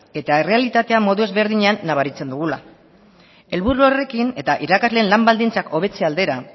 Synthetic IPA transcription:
e̞t̪aere̞alit̪at̪e̞amo̞ðue̞zβe̞ɾðiɲe̞anːaβ̞aɾit͡se̞nd̪uɣ̞ula̰ | e̞lβuɾuore̞kine̞t̪aʔiɾakazle̞ːnlambald̪int͡sakʰo̞β̞e̞t͡seald̪e̞ɾa

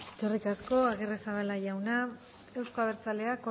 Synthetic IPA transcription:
eskerikasko̞aɣeresaβalaʝawna | e̞wskoaβeɾt͡sale̞ako

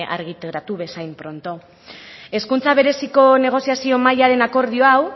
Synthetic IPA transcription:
ʔa̰ɾɣit̪eɾat̪uβe̞sajmpɾo̞nt̪o̞ | e̞skunt͡saβ̞e̞ɾe̞siko̞ne̞ɣ̞o̞siasio̞majaɾe̞nako̞ɾð̞io̞aw

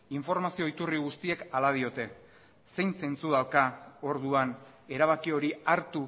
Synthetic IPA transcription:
iɱfo̞ɾmasio̞it̪uriɣust̪ie̞kalað̞io̞t̪e̞ | se̞jnse̞nt͡suðawkao̞ɾðuan | e̞ɾaβ̞akio̞ɾiaɾt̪u

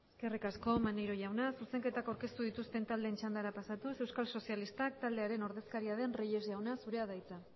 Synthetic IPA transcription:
eske̞rikasko̞manejɾo̞ʝawnasuse̞ŋke̞t̪akawɾke̞st̪uðit̪ust̪e̞nt̪ald̪e̞ːnt͡ʃand̪aɾapasat̪use̞wskalso̞sialist̪ak̚t̪ald̪e̞aɾeno̞ɾðe̞skaɾiaðe̞nreje̞zʝawnasuɾe̞aðajt͡sa

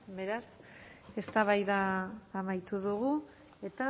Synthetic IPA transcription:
βe̞ɾase̞st̪aβajðaːmajt̪uðuɣ̞u | e̞t̪a

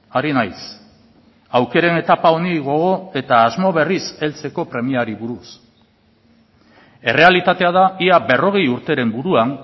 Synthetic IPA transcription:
aɾinajs | awke̞ɾene̞t̪apao̞niɣo̞ɣo̞e̞t̪aːzmo̞β̞e̞rise̞lt͡se̞ko̞pɾe̞miaɾiβuɾus | e̞re̞alit̪at̪e̞að̞aiabe̞ro̞ɣ̞e̞juɾt̪e̞ɾe̞mbuɾuan

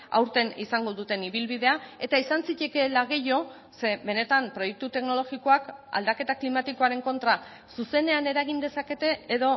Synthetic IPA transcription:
a̰wɾt̪e̞nisaŋɡo̞ðut̪e̞niβ̞ilβið̞e̞ae̞t̪aisansice̞ke̞laɣ̞e̞jo̞ | se̞be̞ne̞t̪ampɾo̞je̞k̚t̪ut̪e̞kno̞lo̞ɣiko̞aka̰ld̪ake̞t̪aklimat̪iko̞aɾe̞ŋko̞nt̪ɾa | suse̞ne̞ane̞ɾaɣind̪e̞sake̞t̪e̞ːðo̞

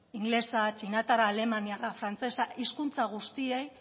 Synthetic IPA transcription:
iŋɡle̞sat͡ʃinat̪aɾaːle̞maniarafɾant͡se̞saʔiskunt͡saɣ̞ust̪iej

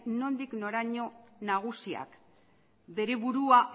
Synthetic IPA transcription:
no̞nd̪ikno̞ɾaɲo̞naɣ̞usia̰k | be̞ɾe̞βuɾua

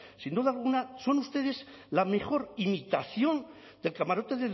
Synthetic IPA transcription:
sind̪uðalɣ̞unaso̞nust̪e̞ð̞e̞slame̞xo̞ɾimit̪aθjo̞n | d̪e̞lkamaɾo̞t̪e̞ðe

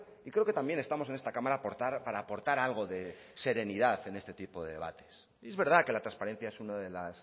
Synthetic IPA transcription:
ikɾe̞oke̞t̪ambje̞ne̞st̪amo̞se̞ne̞st̪akamaɾaːpo̞ɾt̪aɾpaɾaːpo̞ɾt̪aɾalɣ̞o̞ðe̞ | se̞ɾe̞niðaθe̞ne̞st̪e̞t̪ipo̞ðe̞̰ðe̞βa̰t̪e̞̥s | e̞zβe̞ɾð̞ake̞lat̪ɾanspaɾe̞n̟θjae̞sunaðe̞las

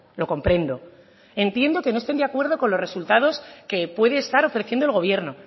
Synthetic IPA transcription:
lo̞ko̞mpɾe̞nd̪o̞ | ent̪je̞nd̪o̞ke̞noest̪e̞nd̪eakwe̞ɾð̞o̞ko̞nlo̞re̞sult̪að̞o̞ske̞pwe̞ðeːst̪aɾo̞fɾe̞θje̞nd̪olɣ̞o̞βje̞ɾno̞

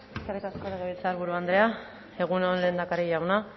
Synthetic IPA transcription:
eskarikaskoɾeɣeβilt͡saaɾβuɾuand̪ɾe̞a | e̞ɣ̞uneonle̞ːnd̪akaɾiʝawna

